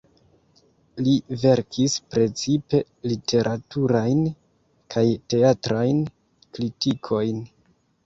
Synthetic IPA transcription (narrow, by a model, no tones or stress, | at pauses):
live̞ɾkʰispɾe̞t͡sipe̞ | litʰe̞ɾʔatuɾajn | kʰajte̞atɾajn | klitikʰo̞jn